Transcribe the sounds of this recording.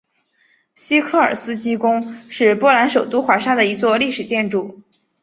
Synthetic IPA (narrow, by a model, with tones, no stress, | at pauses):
ɕi˥kʰɤ˥˩ə̰˞˨˩sɹ̩˥t͡ɕi˥kʊ˥ŋʂɻ̩˥˧pwɔ˥la˧˥nʂo˨˩ʊt̪u˥xwa˧˥ʂa˥d̪ə˨i˧˥t͡swɔ˥˧li˥˩ʂɻ̩˨˩t͡ɕjɛ˥˧nʈ͡ʂu˥˩